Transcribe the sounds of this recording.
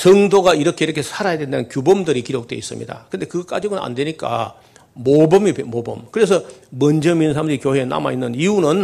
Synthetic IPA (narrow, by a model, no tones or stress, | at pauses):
sʌŋdoɡaiɾʌkʰe̞iɾʌkʰe̞sʰaɾajadwendannkjubʌmdɯɾikiɾok̚t͈we̞̰is͈ɯmɲḭda̰kɯnde̞kɯɡʌk͈a̰d͡ʑiɡonna̰ndwe̞ɲik͈a̰ | mobʌmipemobʌ̰mkɯɾe̞sʰʌmʌnd͡ʑʌminɯnsʰamɕʰiikjoɦe̞ːna̰ma̰inːɯniunɯn